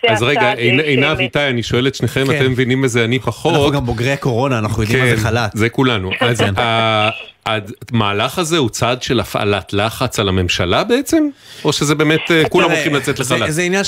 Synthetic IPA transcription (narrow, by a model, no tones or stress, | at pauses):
azʁeɡaejnejnavitajaniʃo̞e̞let̪ʃneχemat̪emːevinimezeanipaχon̞auɡamboɡʁejako̞ʁo̞naːnaχnujodiemaznalatzekulanuʔaza | admaːlaχhaze̞ut͡sad̪ʃe̞lafa̰latlaχat͡salame̞mʃalabe̞et͡se̞m | o̞ʃezebe̞ːmetekulamʁoχimlat͡set̪leχalazeinjan